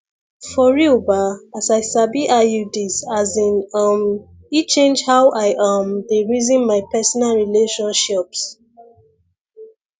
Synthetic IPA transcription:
fɔɹiobaasaɪsabiʔajudisazĩnam | it͡ʃẽnd͡ʒhawʔaɪʔãmdeɹizĩnmaɪpɛsɔnalɹileʃɔ̃nʃips

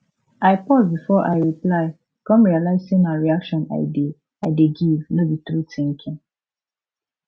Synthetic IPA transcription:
aɪpɔzbifɔʔa̰ɪɹiplaɪ | kɔ̃mɹialaɪz̥sẽmaɪɹiakʃɔ̃na̰ɪde | aɪdeɡivnɔbit̪ɹutĩŋkʰĩŋ

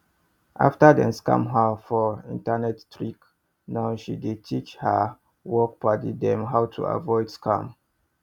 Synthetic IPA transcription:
ʔa̰ftadɛ̰̃nskã̰mɦafɔḭ̃ntanɛttɹik | naʊʃidid̚tʰit͡ʃhə | wɔk̚patidɛ̃mɦawtʰṵa̰vɔɪdskʰã̰m

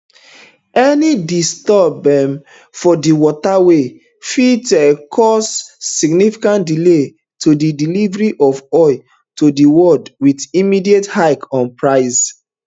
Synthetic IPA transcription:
ɛnidistɔbɛ̃m | fɔdiwɔtawe | fitɛkʰɔsːiɡnifi̥kãntdile | tʰodidilivɹiʔɔvɔɪ | todiwɔdwidimidiethaɪkɔ̃npɹaɪs

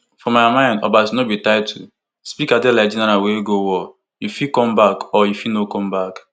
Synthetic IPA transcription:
fɔmamãɪ̃ndɔ̰batunobitaɪdtʰṵ | spikadelaɪd͡ʒinɛɾãweɡowɔ | jufikɔ̃mbakɔjufinokɔ̃mbak

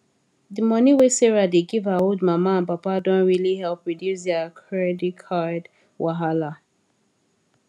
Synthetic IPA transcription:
dimʌniwesɛɹadeɡivaoldmamaãnpapadõnɹilihɛlˠpɹidjus̬ðakʰɹɛdikʰad | wʔaɦala

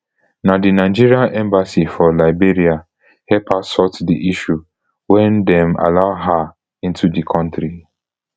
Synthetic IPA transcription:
nadinaɪd͡ʒiɹiaʔɛ̃mbasifɔlaɪbiɹia | hɛpasɔtdiʔiʃu | wɛ̃ndɛ̃ma̰laʊɦa | ĩntudikʰɔ̃ntɾi

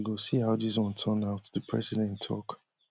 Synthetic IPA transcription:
ɡosihaʊðis̬wʌ̃ntʰə̃naʊtðəpʰɹ̥ɛ̰sidɛ̃ntʰɔ̰k

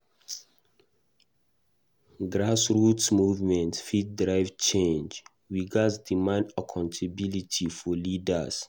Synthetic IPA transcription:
ɡɹasɹutsmuvmɛ̃ntfit̚dɹaɪvt͡ʃẽnd͡ʒ | wiɡasdimãndakʰãntʰebilitʰifɔlidas

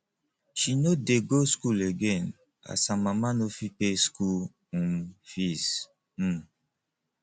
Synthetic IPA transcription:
ʃinodeɡoskuleɡɛ̃n | a̰sãmamanofipesku | ũnfis | m̩

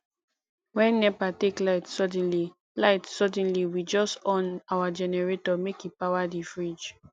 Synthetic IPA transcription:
wɛ̃nːɛpateklaɪtsɔd̃nli | laɪtsɔdɛ̃nliwid͡ʒɔstɔ̃nawad͡ʒɛnɛɹetɔmekipawadifɹid͡ʒ

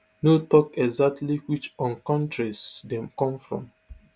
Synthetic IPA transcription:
notɔkɛɡzak̚tliwit͡ʃɔ̃nkɔ̃ntɹisdɛ̃mkɔ̃mfɹɔ̰̃m

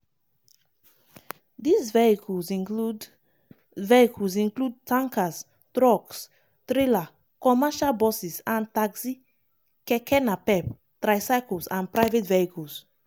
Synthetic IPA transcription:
dizvɛikʰulzĩnud | vɛikʰəlzĩnklud̚tʰãŋkas | tɾɔks | tɾila | kɔmɛʃalbɔsisãntaksi | kɛkʰɛnapɛp | tɾajsajkəlsãnpɹaɪvetvɛikʰəls

